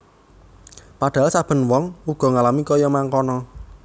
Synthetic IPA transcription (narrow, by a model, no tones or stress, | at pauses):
paɖ̥a̤lsab̥ə̤nwɔŋuɡ̥ɔ̤ŋalamikɔjɔmaŋkɔnɔ